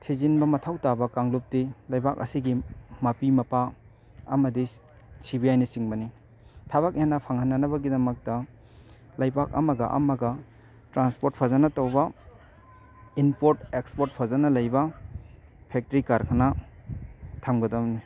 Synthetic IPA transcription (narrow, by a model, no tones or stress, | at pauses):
tʰizinbɐmɐtʰawtabɐkaŋlup̚tilajbak̚ɐ̰siɡimɐpimɐpa | ɐmɐdi | sibiajnisiŋbɐni | tʰaβak̚enːɐpʰaŋhanːɐnɐβɐɡidɐmɐk̚tɐ | lajbak̚ɐ̰mɐɡɐʔɐ̰mɐɡɐ | tɾanspoɾt̚pʰazanɐtawbɐ | inpoɾtekspoɾt̚pʰazanɐlɐjbɐ | pʰek̚tɾikaɾkʰana | tʰamɡɐdɐmni